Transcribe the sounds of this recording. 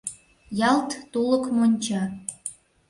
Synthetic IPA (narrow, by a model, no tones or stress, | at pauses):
jɑlt̪ːuləkmonʲt͡ɕɑ